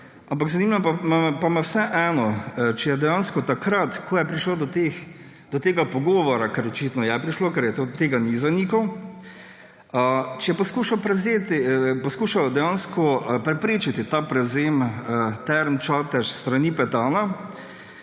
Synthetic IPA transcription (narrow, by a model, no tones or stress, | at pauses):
ampaɡzaniːmapamapamawsɛʔɛːnɔt͡ʃɛjɛd̪ɛjanskɔt̪akɾat̪kʰoːjɛpɾiʃlod̪ɔt̪ex | d̪̥ɔt̪eːɡapɔɡoːʋɔɾakɛɾɔt͡ʃit̪nɔjɛpɾiʃlokɛɾjɛt̪ot̪eːɡanizanikɐw | ət͡ʃɛjɛpɔskuːʃawpɾɛwzeːt̪ipɔskuːʃawd̪ɛjanskɔpɾɛpɾeːt͡ʃit̪it̪apɾɛwzeːmət̪ɛɾmt͡ʃaːt̪ɛʃst̪ɾanipɛt̪aːna